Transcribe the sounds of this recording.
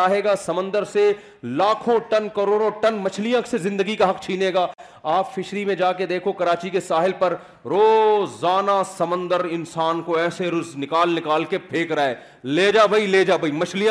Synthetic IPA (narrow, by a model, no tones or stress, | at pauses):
aːɦeːɡaːsɐmə̃nd̪əɾse | laːkʰõʈɐnkɐɾoːɾõʈɐnmɐt͡ʃʰlijãksezɪ̃nd̪əɡikaɦɐkt͡ʃʰiːneːɡaː | aːpfɪʃɾimẽd͡ʒaːked̪eːkʰokɐɾaːt͡ʃikesaːɦɪlpɐɾ | ɾoːzaːnasɐmə̃nd̪əɾɪ̃nsaːnkoɛːseɾʊznɪkaːlnɪkaːlkepʰeːkɾaːɛː | leːd͡ʒaːbʱɐileːd͡ʒaːbʱɐimɐt͡ʃʰlijã